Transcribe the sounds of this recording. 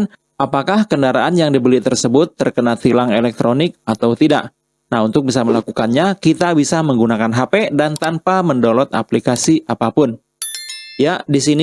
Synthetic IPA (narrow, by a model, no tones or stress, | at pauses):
n | ʔapakahkəndaɾaʔanjaŋdibəlɪt̪ərsəbʊt̪ːərkənat̪hilaŋelɛk̚t̪ɾonɪk̚at̪awt̪ida̰ʔ | naɦunt̪ʊk̚bisaməlakukanɲakit̪abisaməŋɡunakanɦapedant̪anpaməndolɔt̪a̰plikasiʔapapʊn | jaʔdisin